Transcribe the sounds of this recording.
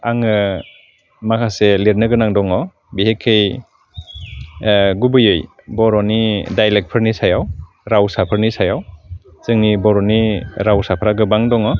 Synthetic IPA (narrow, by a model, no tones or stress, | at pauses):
aŋɯ | makʰaseliɾnɯɡɯnaŋdɔŋɔ | biɦekʰːej | ɡubɯjɯj | bɔɾɔnidajlek̚pʰɯɾnisajaw | ɾawsapʰɯɾnisajawzɯŋnibɔɾɔniɾawsapʰɾaɡɯbaŋdɔŋɔ